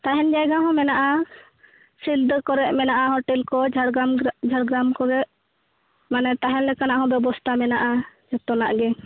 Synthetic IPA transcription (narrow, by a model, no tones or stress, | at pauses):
t̪aɦɛnd͡ʒajɡaɦɔ̃mɛnaʔa | sild̪əkɔɾɛʔ̚mɛnaʔaɦɔʈɛlkɔd͡ʒaɽɡamd͡ʒʱaɽɡɾamkɔɾɛʔ | manɛt̪aɦɛnlɛkanaʔɦɔ̃bɛbɔst̪ʰamɛnaʔad͡ʒɔt̪ɔnaʔɡɛ